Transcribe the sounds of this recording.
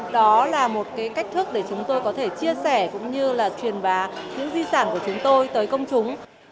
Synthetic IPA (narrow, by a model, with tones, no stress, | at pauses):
ɗɔ˨˦laː˨˩mo˨˩t̚kaː˨˦jka˦˥k̚t̪ʰɨ˦˥ək̚ɗe˧˩t͡ɕʊ˨˦ŋ͡mt̪o˧jkɔ˨˦t̪ʰe˧˩t͡ɕi˧əsɛ˧˩kʊ̰˧˥ŋ͡mɲɨ˧laː˨˩t͡ɕwi˨˩ənɓaː˨˦ɲɨ̰˧˥ŋzi˧saː˧˩nku˧˩ət͡ɕʊ˨˦ŋ͡mt̪o˧jt̪əː˨˦jkə˧wŋ͡mt͡ɕʊ˨˦ŋ͡m